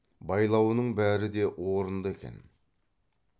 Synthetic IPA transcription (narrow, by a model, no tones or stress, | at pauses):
bɑjlˠɑwənəɴbæɾɪd̪e̞woɾənd̪əe̞kʲḛn